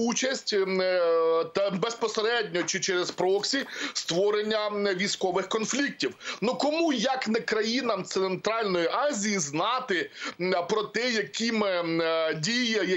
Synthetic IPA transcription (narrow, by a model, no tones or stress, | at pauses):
ut͡ʃɐsʲtʲ | t̪ɐbespɔseɾɛdʲnʲɔt͡ʃɪt͡ʃɛɾɛzpɾɔksʲist̪ʋɔɾenʲːɐʋʲijsʲkɔʋɪxkɔnflʲik̚tʲiwnukɔmujɐknɛkɾɐjinɐmt̪sent̪ɾɑlʲnɔjiʔɑzʲijiznɑt̪ɪpɾɔt̪ɛjɐkʲimɪdʲijɐjɐ